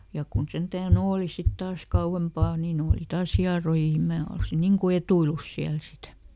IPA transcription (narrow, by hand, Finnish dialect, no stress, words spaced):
jɑ kun sentæːn oːli sit tɑːs kɑuempɑˑ niːn oːli tɑːs hiɑroji ni mæː olsi niŋ ku etuilus siæl sitæ